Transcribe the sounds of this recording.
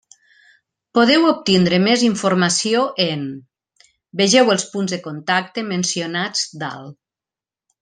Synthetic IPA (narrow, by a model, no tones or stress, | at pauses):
poðɛwop̚t̪ind̪ɾəmeziɱfuɾmasioʔen | beʒɛwəlˠspunzðəkont̪ak̚t̪emensionad͡zd̪a̰l